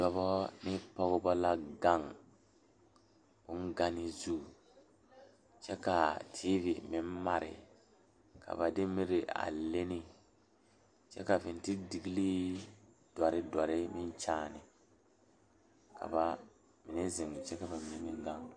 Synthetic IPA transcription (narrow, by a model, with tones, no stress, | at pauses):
d̥ɔ˨βɔ˦nɪ˦pɔ˦ɣʊ˦bɔ˦la˦ɡa˦˨ŋ | bʊ˦nɡa˦nɪ˦zu˦˨ | t͡ʃɛ˦ka˨tʰiː˦vi˨mɪ˨m˦ma˨ɾɪ̰˨ | kʰa̰˨ba˨dɪ˦mi˦ɾɪ˨a̰˨le˦ni˦ | t͡ʃɛ̰˦ka˨vɪ˨n˨tɪ˦di˨ɡi˦liː˦ | d̥wɔ˨ɾɪ˦dɔ˨ɾɪ˦mɪ˦n˦t͡ʃaː˦˨nɪ˨ | ka̰˨ba˨ | mɪ˨nɛ˦zɪ˨ŋ˨t͡ʃɛ˦ka˨ba˨mɪ˨ni˦ŋɪ˦ɡa˦ŋ